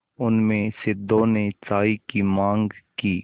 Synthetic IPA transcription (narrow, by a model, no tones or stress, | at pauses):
ʊnmẽsɪd̪oːnet͡ʃaːikimãːŋɡkiː